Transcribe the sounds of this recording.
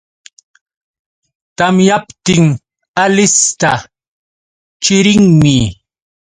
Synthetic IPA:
t̪amjapt̪ɪŋ | alɪst̪a | t͡ʃɪɾɪŋmɪ

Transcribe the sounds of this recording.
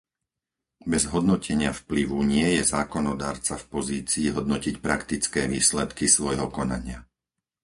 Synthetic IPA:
bɛzɦɔd̪nɔcʰɛɲɪafpliʋuɲɪɛjɛzaːkɔnɔd̪aːɾt͡safpɔziːt͡siːɦɔd̪̚nɔcicpɾakt̪it͡skɛːʋiːslɛt̪kisʋɔjɦɔkɔna̰ɲɪa

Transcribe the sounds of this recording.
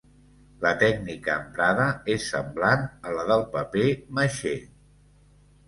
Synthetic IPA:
lət̪ɛknikəːmpɾaðəesːə̰mblanələðəlˠpəpeməʃe

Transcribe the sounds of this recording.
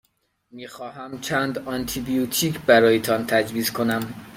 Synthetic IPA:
miːxɒːɦæmt͡ʃʰæːnd̪ɒnt̪ʰibijut̪ʰiːkʰbæɾɒːjet̪ʰɒnt̪ʰæd͡ʒviːskʰonæm

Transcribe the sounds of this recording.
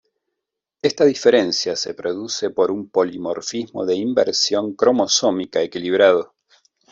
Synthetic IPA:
est̪aðifeɾe̞nsjasepɾo̞ðusepo̞ɾumpo̞limo̰ɾfizmo̞̰ðeimbḛɾsjo̞ŋkɾo̞mo̞so̞mikaekiliβ̞ɾaðo̞

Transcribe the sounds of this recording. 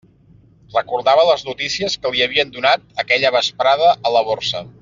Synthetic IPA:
rəkuɾðaβələznut̪isiəskəliəβiənd̪unat̪̚əkɛʎəβəspɾaðəʔəːləβorsə

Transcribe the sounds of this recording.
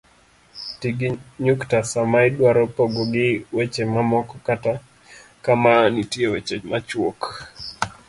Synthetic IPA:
tiɡiɲuktasamaidwaɾɔpɔɡɔɡɪwɛt͡ʃɛmamɔkɔkata | kamanitiɛwɛt͡ʃɛmat͡ʃwɔk

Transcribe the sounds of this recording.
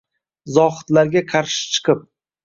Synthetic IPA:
zɒχɨ̥t̪laɾɡʲaqʰɑɾʃɪ̥t͡ʃʰɨ̥qʰɨp̚

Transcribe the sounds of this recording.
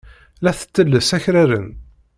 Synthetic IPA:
læθə̥t͡sːəlːəsæçɾæɾə̰n

